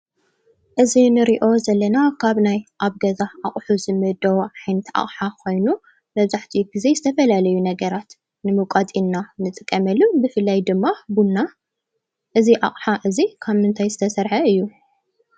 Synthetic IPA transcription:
ʔɨzinɨɾiʔo̞zɐlːɐnakʰaβnajʔaβɡɐzaʔaχʼħuzɨmɨd̪ɐwʕajnɐt̪a̰χʼħakʰo̞jnu | mɐβzaħt̪ʰiɡize̞zɨt̪ʰɐfɐlalɐjunɐɡɐɾat̪ | nɨmɨkʼat̪ʼinːanɨt̪ʼɨkʼːɐmɐlːubɨfɨlːajd̪ɨmːabunːa | ʔɨziʔa̰χʼħaʔɨzikʰaβmɨnt̪ʰajzɨt̪ʰɐsɐɾħɐɨjːu

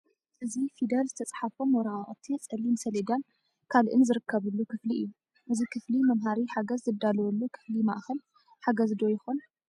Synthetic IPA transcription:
ʔɨzifid̪ɐlzɨt̪ʰɐt͡sʼħafomɔɾaaʔʼt̪ʰit͡sʼɐlːimsɐleɡan | kʰalʔɨ̰nzɨɾɨkʰːɐβɨlːukʰɨfliʔɨ̰jːu | ʔɨzikʰɨflimɐmɦaɾiħaɡɐzːɨd̪alɐwɔlːukʰɨ̥flima̰ʔxɐl | ħaɡɐzd̪ojɪxon

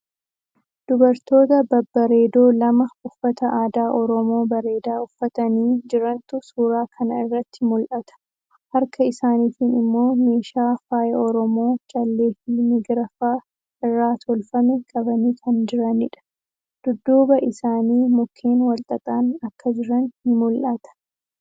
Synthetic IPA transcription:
d̪̥ʊbɐɾt̪o̞ːt̪ɐbɐbːɐɾe̞ːd̪o̞ːlɐmɐʊfːɐt̪ɐʔaːd̪aːʔɔɾɔmo̞ːbɐɾe̞ːd̪aːʊfːɐt̪ɐniːd͡ʒɪɾɐnt̪ʊsuːɾaːkʰɐnɐɪrːɐt̪ʰːɪmʊlʔɐt̪ɐ̥ | hɐɾkʰɐɪsaːniːt̪iːnɪmːo̞ːme̞ːʃaːfaːjɐɔɾɔmo̞ːt͡ʃʼɐlːe̞ːfimɪɡɾɐfaː | ɪrːaːt̪ʰɔlfɐmɛkʼɐbɐniːkʰɐnd͡ʒɪɾɐnɪᶑɐ̥ | d̪̥ʊd̪ːuːbɐʔɪsaːniːmʊkʰːe̞ːnwɐlt̪ʼɐt̪ʼaːnɐkːɐd͡ʒɪɾɐnhɪmʊlʔɐt̪ɐ̥

